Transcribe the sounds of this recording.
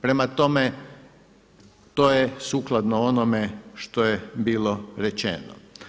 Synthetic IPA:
pɾe̞mat̪o̞me | t̪ojesuːklˠad̪noonomeʃt̪o̞jebiːloɾet͡ʃḛno̰

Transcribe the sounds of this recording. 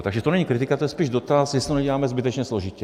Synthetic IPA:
t̪aɡʒɛt̪onɛɲikɾit̪ikat̪ojɛspiːʒd̪ot̪asjɛsit̪oɲɛɟɛlaːmɛzbit̪ɛt͡ʃɲɛsloʒicɛ

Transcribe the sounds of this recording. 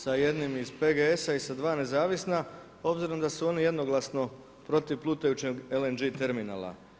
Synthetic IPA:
saje̞d̪nimizpe̞ɡeesaisad̪ʋaːne̞zaːʋisna | o̞bziɾo̞md̪asuo̞nije̞d̪no̞ɡlˠasno̞ | pɾo̞t̪iʋplˠuːt̪ajut͡ʃeɡelend͡ʒit̪e̞ɾmina̰ːlˠa̰

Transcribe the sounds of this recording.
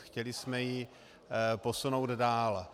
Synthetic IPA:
xcɛlɪsmɛjɪ | posunowd̪daːl

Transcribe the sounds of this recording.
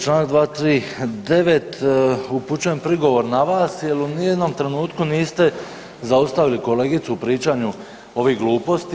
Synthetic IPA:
t͡ʃlaːnakd̪ʋaːt̪ɾiːd̪e̞ʋet̪uput͡ɕuje̞mpɾiɡo̞ʋo̞ɾnaʋaːsjelunijed̪no̞mt̪ɾe̞nuːt̪kuniːst̪e̞ | zaust̪aʋiliko̞le̞ːɡit̪suupɾiːt͡ʃaːɲu | o̞ʋiːɡluːpo̞st̪i

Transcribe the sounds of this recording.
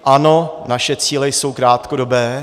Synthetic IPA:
ʔano̞naʃɛt͡siːlɛjso̞wkɾaːt̪kodo̞bɛː

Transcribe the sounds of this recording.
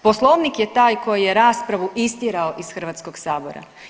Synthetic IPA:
po̞slˠoʋnikjet̪aːjko̞jijeɾaːspɾaʋuʔist̪jiɾaoʔisxr̩ʋaːt̪sko̞ɡsaːbo̞̰ɾa̰

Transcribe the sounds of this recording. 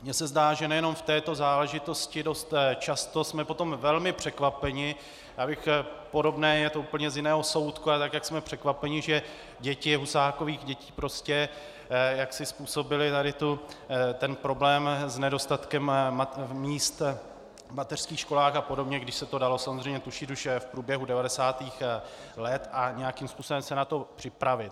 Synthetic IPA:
mɲɛsɛzdaːʒɛnɛjɛno̞mft̪ɛːt̪o̞zaːlɛʒɪt̪o̞scɪdo̞st̪t͡ʃast̪o̞smɛpo̞t̪o̞mvɛlmɪpr̥ɛkvapɛɲɪ | jaːbɪxpo̞do̞bnɛːjɛt̪ouːpl̩ɲɛzjɪnɛːɦo̞so̞wt̪kualɛt̪akjaksmɛpr̝̥ɛkvapɛɲɪʒɛ | ɟɛcɪɦusaːkoviːɣɟɛciːpɾo̞scɛ | jaksɪspuːso̞bɪlɪt̪adɪt̪ut̪ɛnpɾo̞blɛːmznɛdo̞st̪at̪kɛm | miːst̪ | mat̪ɛr̥skiːxʃko̞laːxapo̞do̞bɲɛɡdɪʃsɛt̪o̞dalo̞samozrɛjɲɛt̪uʃit̪uʃfpɾuːbjɛɦudɛvadɛsaːt̪iːxlɛt̪aɲɛjakimspuːsobɛmsɛnat̪o̞pr̝̥ɪpɾavɪt̪

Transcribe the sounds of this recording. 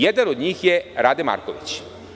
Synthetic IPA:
jed̪anod̪ɲiːxjeɾad̪ɛma̰ɾkoʋit͡ɕ

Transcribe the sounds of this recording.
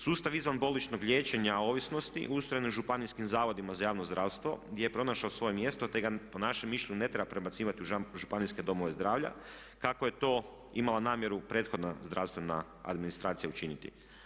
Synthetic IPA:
suːst̪aʋizʋanbo̞lit͡ʃno̞ɡʎʲje̞ːt͡ɕe̞ɲao̞ːʋisno̞st̪ḭʔust̪ɾojenuʒupaniskimzaːʋo̞d̪imazajaːʋnozd̪ɾaːʋst̪ʋo̞̰ɡ̪jejepɾo̞naʃaosʋo̞jemje̞st̪o̞t̪eɡaponaʃemːiʃʎʲe̞ɲune̞t̪ɾe̞bapɾe̞bat̪siːʋat̪iuʒupaniske̞d̪o̞moʋe̞zd̪ɾaːʋʎa̰ | kakoje̞t̪o̞ː | imalˠanaːmje̞ɾupɾe̞t̪xo̞d̪nazd̪ɾawst̪ʋe̞na̰ | a̰d̪minist̪ɾaːt̪sijaut͡ʃinit̪ḭ

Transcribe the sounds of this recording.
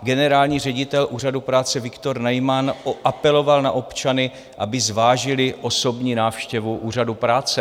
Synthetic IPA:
ɡɛnɛɾaːlɲiːr̝ɛɟɪt̪ɛlʔuːr̝adupɾaːt͡sɛvɪkt̪o̞ɾnajmanʔapɛlo̞valna̰ʔo̞pt͡ʃanɪ | ʔabɪzvaːʒɪlɪʔo̞so̞bɲiːnaːfʃcɛvuʔuːr̝adupɾaːt͡sɛ

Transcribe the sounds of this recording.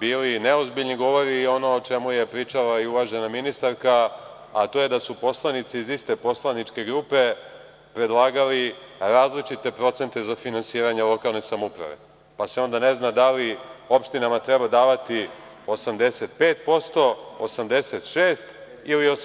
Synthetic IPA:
biːlineozbiʎniɡo̞ʋo̞ɾiːo̞no̞ot͡ʃe̞muje̞pɾiːt͡ʂalaiuʋaʒe̞naminist̪aɾka | at̪o̞je̞d̪asupo̞slˠanit̪siizist̪e̞po̞slˠanit͡ʃke̞ɡɾupe̞ | pɾe̞d̪lˠaːɡaliɾaːzlit͡ʃit̪e̞pɾo̞t̪se̞nt̪e̞zafinansiːɾaɲelˠo̞kaːlˠne̞samupɾa̰ʋe̞̰ | paseo̞nd̪ane̞znad̪alio̞pʃt̪inamat̪ɾebad̪aːʋat̪i | osamd̪e̞se̞t̪peːt̪̚po̞st̪o̞osamd̪e̞set̪ʃeːst̪ | ilio

